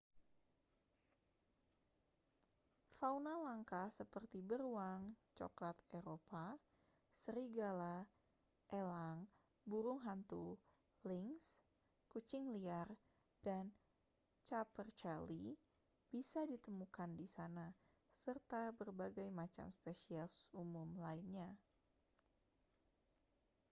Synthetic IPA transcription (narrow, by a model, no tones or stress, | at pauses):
faunalaŋkahsəpərt̪ibərwaŋt͡ʃɔ̰klat̪eɾopa | səɾiɡala | ʔelaŋ | buɾʊŋɦant̪u | lɪŋs | kut͡ʃɪŋliar | d̥an | t͡ʃapərt͡ʃali | b̥isadit̪əmukandisana | sərt̪abərbaɡajmat͡ʃa̰mspesiasumʊmlainɲa